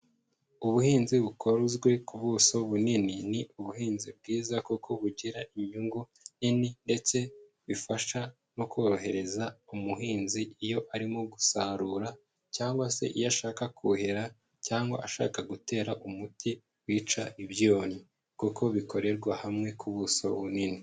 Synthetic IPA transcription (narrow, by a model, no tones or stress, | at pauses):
uβuhiːnziβukʰo̞ɾuzɡwe̞kuβuːsoβunininiuβuhiːnzibɡiːzakukʰo̞βuɟiɾaʔiɲuŋɡu | nininde̞t͡se̞ | βifaʃa | no̞ko̞ːɾo̞ɦe̞ɾe̞zaumuɦiːnziijo̞ʔaɾimoɡusaːɾuːɾa | caːŋɡwase̞ʔijaʃaːkakʰuheɾa | caːŋɡwa̰ʔaʃa̰ːkaɡute̞ːɾaʔumuti | wiːt͡ʃaʔiβjoːni | kukʰo̞βiko̞ɾe̞ɾɡwahamŋe̞kʰuβuso̞βunini